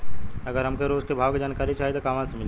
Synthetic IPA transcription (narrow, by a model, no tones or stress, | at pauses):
ɐɡəɾɦɐmkeɾoːzkebʱaːʋked͡ʒaːnkaːɾit͡ʃaːɦet̪okaːmãsemɪl